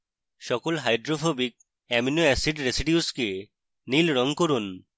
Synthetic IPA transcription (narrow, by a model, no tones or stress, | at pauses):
ʃɔkolɦajɖɾofobik̚ | ɛminoɛsiɖɾesiɖiuske | nilɾɔŋkoɾun